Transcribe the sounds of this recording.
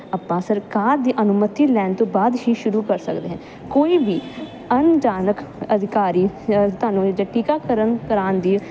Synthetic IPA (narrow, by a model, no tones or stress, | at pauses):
əpːãːsəɾkaːɾd̪iːʔənʊmət̪iːlɛːnt̪õːbaːd̪hiːʃʊɾuːkəɾsəkd̪eːɦɛ̃ː | koːiːbiː | ənd͡ʒaːnəkəd̪ʱɪkaːɾiːt̪aːnũːd͡ʒaːʈiːkaːkəɾənkəɾaːnd̪iː